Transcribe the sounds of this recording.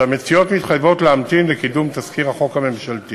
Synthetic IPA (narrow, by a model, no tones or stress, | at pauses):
amet͡sijo̞tmit̪χajvo̞tleamt̪imlekidumt̪askiʁaχo̞khame̞mʃalt̪i